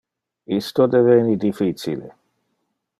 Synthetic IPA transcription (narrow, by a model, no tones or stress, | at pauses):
ist̪od̪eveːnid̪ifit͡ʃḭlḛ